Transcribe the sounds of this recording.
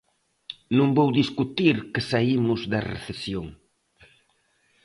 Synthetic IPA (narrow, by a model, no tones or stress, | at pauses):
nũŋbowðiskut̪iɾkesaimʊzðɐrḛθesjoŋ